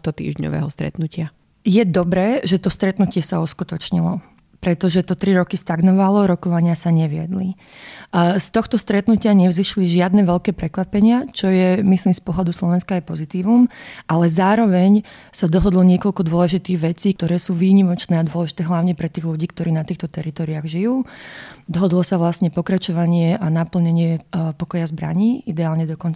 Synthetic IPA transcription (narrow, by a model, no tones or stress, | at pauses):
t̪ɔt̪ḭːʒɲɔ̰ʋɛ̰ːɦɔst̪ɾɛ̰t̪nucɪa | jɛd̪ɔbɾɛːʒɛt̪ɔst̪ɾɛt̪nucɪɛsauskut̪ɔt͡ʃɲilɔ | pɾɛt̪ɔʒɛt̪ɔt̪ɾiɾɔkist̪aɡnɔʋalɔɾɔkɔʋaɲɪasaɲɛʋɪɛ̰d̪li | st̪ɔxt̪ɔst̪ɾɛt̪nucɪaɲɛvziʃliʒɪad̪nɛʋɛʎkɛːpɾɛkʋapɛɲɪat͡ʃɔjɛmisliːmspɔɦlad̪uslɔʋɛnskaːjpɔzit̪iːʋumʔalɛzaːɾɔʋɛɲ | sad̪ɔɦɔd̪lɔɲɪɛkɔʎkɔd̪ʊɔlɛʒit̪iːɣʋɛt͡siːk̚t̪ɔɾɛːsuːʋiːɲimɔt͡ʃnɛːad̪ʊɔlɛʒit̪ɛːɦlaʊɲɛpɾɛt̪iːɣluɟiːkt̪ɔɾiːnat̪iːxt̪ɔt̪ɛɾit̪ɔːɾiaɣʒijuːd̪ɔɦɔd̪lɔsaʋlasɲɛpɔkɾat͡ʃɔʋaɲɪɛʔanapl̩ɲɛɲɪɛpɔkɔjazbɾa̰ɲiːid̪ɛaːlɲɛd̪ɔkɔnt͡s